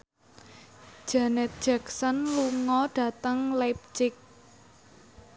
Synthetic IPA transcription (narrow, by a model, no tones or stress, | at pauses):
d̥ʒ̥anɛt̪̚d̥ʒ̥aksənluŋɔɖ̥ä̤t̪əŋlɛp̚t͡ʃɪk̚